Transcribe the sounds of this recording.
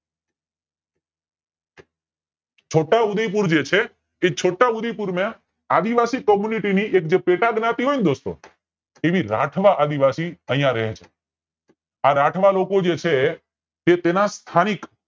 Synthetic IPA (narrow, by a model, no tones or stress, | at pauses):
t͡ʃʰoʈaud̪əjp̬uɾd͡ʒet͡ʃʰe | et͡ʃʰoʈːaʊd̪əjpuɾmẽ | ad̪iʋasikɔmjuniʈiniʔekd͡ʒepeʈaɡnat̪iɦoind̪ost̪o̰ | eʋiɾa̰ʈʰʋaʔad̪iʋasiəɦjãɾɛɦet͡ʃʰe | aɾaʈʰʋalokod͡ʒet͡ʃʰe | t̪et̪enast̪ʰanik